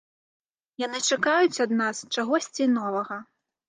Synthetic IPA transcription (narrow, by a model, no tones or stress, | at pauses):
janɨt͡ʂakajut͡sʲɐd̪nast͡ʂaɣɔsʲt͡sʲinɔvɐɣɐ